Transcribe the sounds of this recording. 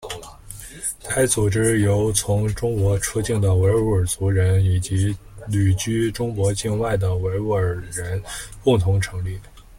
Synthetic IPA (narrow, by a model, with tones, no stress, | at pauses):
t̪ʰa˥ɪt͡su˨˩ʈ͡ʂɻ̩˥jo˧˥ʊt͡sʰʊ˧˥ŋʈ͡ʂʊ˥ŋkwɔ˧˥ʈ͡ʂʰu˥t͡ɕi˥˩ŋd̪ə˩we˧˥ɪu˧˥ə˞˨˩t͡su˧˥ɻə˧˥ni˨˩t͡ɕi˧˥ | ly˨˩t͡ɕy˥ʈ͡ʂʊ˥ŋkwɔ˧˥t͡ɕi˥˧nwa˥˩ɪd̪ə˩we˧˥ɪu˥ə˞˨˩ɻə˧˥npʊ˥˩ŋt̪ʰʊ˧˥ŋʈ͡ʂʰɤ˧˥ŋli˥˩